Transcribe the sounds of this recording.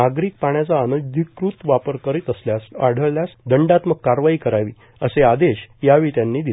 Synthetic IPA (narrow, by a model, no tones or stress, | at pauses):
aɡɾiːk̚paɳjat͡saːnəd̪ʱikːɾut̪ʋapəɾkəɾit̪əsljasa̰ɽ̤əɭljasd̪əɳɖat̪məɡ̚kːaɾʋaiːkəɾaʋḭː | əsead̪eɕjaʋiːt̪janːiːd̪il